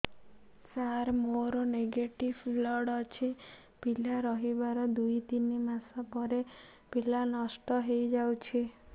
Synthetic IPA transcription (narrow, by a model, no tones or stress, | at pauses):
t͡ʃaɾmoɾoneɡeʈiʋflɔɽɔt͡ʃʰi | pilaɾɔɦibaɾɔd̪uit̪inimasapɔɾe | pilanɔsʈɔɦejd͡ʒawt͡ʃʰi